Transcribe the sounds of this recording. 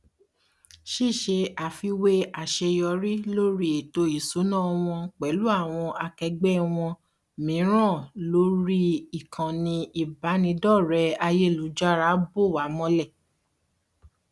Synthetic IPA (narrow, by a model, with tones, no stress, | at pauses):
ʃi˦˨ʃe˧a˨fi˧we˦a˨ʃe˧jɔ˧ɾi˦lo˦ɾi˦e˨to˧i˨so˨˦nã˦˧w̃ɔ̃˧k͡pɛ˨˦lu˦a˦˨w̃ɔ̃˧ʔa˧kɛ˧ɡ͡bɛ˦w̃ɔ̃˧ | mĩ˨˦ɾ̃ã˦˨lo˦ɾi˦i˦˨kʰã˨nĩ˧i˨ba˨˦nĩ˧˦dɔ˦˨ɾɛ˧˦a˧je˦˨lu˨˦d͡ʒa˦ɾa˨˦bo˦˨wa˨˦mɔ̃˦lɛ˦˨